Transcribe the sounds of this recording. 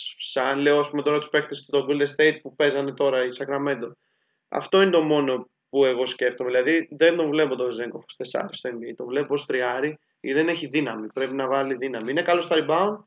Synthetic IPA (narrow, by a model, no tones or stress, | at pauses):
fsɐnle̞oɐspume̞t̪o̞ɾɐt̪u̥spe̞kt̪est̪oɡuld̪eɾst̪e̞jt̪̚pupe̞zɐne̞t̪o̞ɾɐisɐkɾɐme̞nd̪o̞ | ɐ̰ft̪o̞inet̪o̞mo̞no̞ | pue̞ɣo̞sce̞ft̪omeðilɐðiðe̞nd̪o̞ɱvle̞pot̪ozeŋɡofost̪e̞sɐ̰ɾist̪oembiit̪o̞ɱvle̞popost̪ɾiɐɾi | iðe̞neçiðinɐmipɾe̞pinɐvɐliðinɐmiine̞kɐlo̞st̪ɐɾibɐon